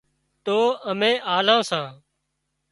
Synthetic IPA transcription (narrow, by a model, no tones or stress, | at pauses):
t̪oːəmẽːʔaːlãːsãː